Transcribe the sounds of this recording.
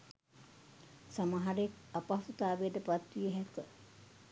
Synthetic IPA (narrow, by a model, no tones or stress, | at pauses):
samaɦaɾekapasut̪aːʋejɖəpat̪ʋijəɦɛkə